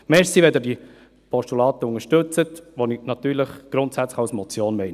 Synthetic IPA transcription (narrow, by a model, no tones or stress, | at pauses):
mɛsiʋɛd̪ɛdi | pɔʃtulɑːt̪əʊŋəʃtɵt͡sət̪ʋoninɑt̪yːɾləχɡ̥ɾʊnt̪sæt͡sləχɑwsmɔt͡sjoːnmɛɪn